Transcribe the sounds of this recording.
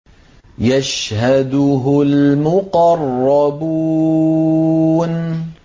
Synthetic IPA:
jaʃhad̪ʊɦʊlmʊqɑrˤːɑbuː | n

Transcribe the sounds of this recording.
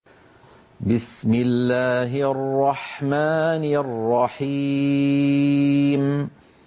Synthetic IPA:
bɪsmɪlːaːɦɪʔɑrˤːɑħmaːnʔrːɑħiː | m

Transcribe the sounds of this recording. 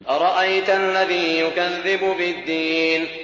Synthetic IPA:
ɾˤɑʔajt̪ʔalːaðiːjʊkaðːɪbʊbɪd̪ːiːn

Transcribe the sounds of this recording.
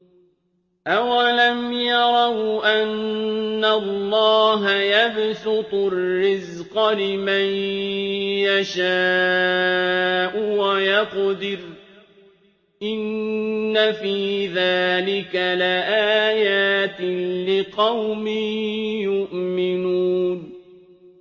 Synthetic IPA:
ʔawalamjɑɾˤɑwʔanː | alːɑːɦajabsʊt̪ˤʊrːɪz | qɑlɪmaj | jaʃaː | ʔʊwajɑqd̪ɪɾ | ʔɪnːafiːðaːlɪkalɪʔaːjaːt̪ɪlɪqɑwmɪjʊʔmɪnuːn

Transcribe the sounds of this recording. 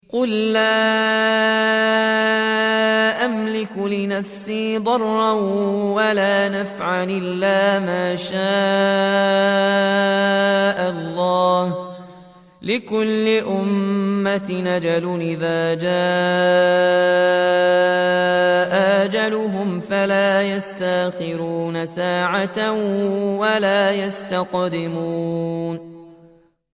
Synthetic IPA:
qʊlːaː | ʔamlɪkʊlɪnafsiːd̪ˤɑrˤːɑwalaːnafʕalʔɪlːaːmaːʃaː | ʔalˤːɑːh | lɪkʊlːɪʔʊmːat̪ɪnad͡ʒalʊnʔɪðaːd͡ʒaː | ʔaʔad͡ʒalʊɦʊmfalaːjast̪aʔxɪɾuːnasaːʕat̪awalaːjast̪aqd̪ɪmuːn

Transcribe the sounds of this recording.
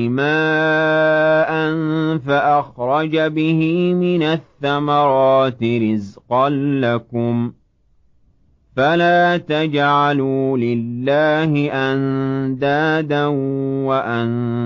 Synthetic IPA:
ɪmaː | ʔanfaʔaxɾˤɑd͡ʒabɪhɪmɪnaθːamɑɾˤɑːt̪ɪɾɪzqɑnːakʊm | falaːt̪ad͡ʒʕaluːlɪlːaːhɪʔand̪aːd̪anwaʔan

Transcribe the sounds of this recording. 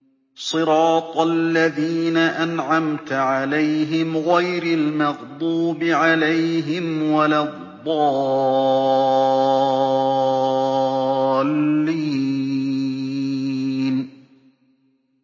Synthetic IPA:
sˤɨɾɑːt̪ˤalːaðiːnaʔanʕamt̪ʕalajɦɪmɣajɾalmɑɣd̪ˤuːbɪʕalajɦɪmwalaðˤːɑː | lːiː | n

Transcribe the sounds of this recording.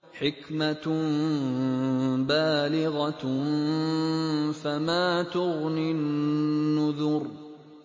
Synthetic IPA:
ħɪkma | baːlɪɣa | famaːt̪ʊɣnɪnː | ʊðʊɾ

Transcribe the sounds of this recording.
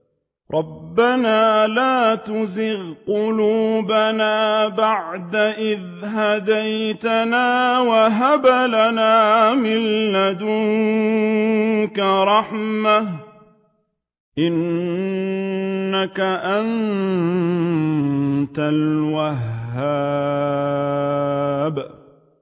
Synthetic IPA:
ɾˤʔɑbːanaːlaːt̪ʊzɪɣqʊluːbanaːbaʕd̪aʔɪð | ɦad̪ajt̪anaːwaɦabalanaːmɪlːad̪ʊ | kaɾˤɑħmah | ʔɪn | akaʔan | t̪alwaɦːaː | b

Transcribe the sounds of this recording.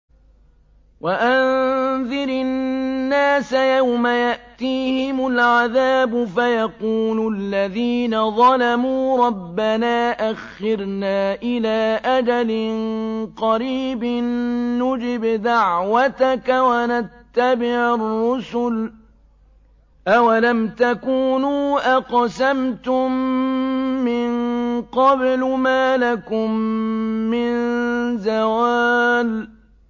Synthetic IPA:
waʔanðɪɾɪnːaːsajawmajaʔt̪iːhɪmʊlʕaðaːbʊfajɑquːlʊlːaðiːnaðˤɑlamuːɾˤɑbːanaːʔaxːɪɾnaːʔɪlaːʔad͡ʒalɪnqɑɾiːbɪnːʊd͡ʒɪbd̪aʕwat̪akawanat̪ːabɪharːʊsʊl | ʔawalamt̪akuːnuːʔaqsamt̪ʊmː | ɪnqɑblmaːlakʊmː | ɪnzawaːl

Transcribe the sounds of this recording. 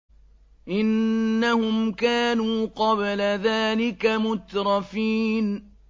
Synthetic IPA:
ʔɪnːahʊmkaːnuːqɑblaðaːlɪkamʊt̪ɾˤɑfiːn

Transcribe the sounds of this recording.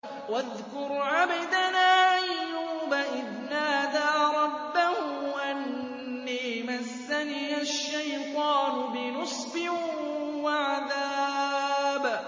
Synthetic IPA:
waðkʊɾʕabad̪anaːʔajjːuːbaʔɪd̪naːd̪aːɾˤɑbːahʊʔanː | iːmasːaniːaʃːajt̪ˤɑːnʊbɪnɨsˤbɪ | waʕaðaː | b

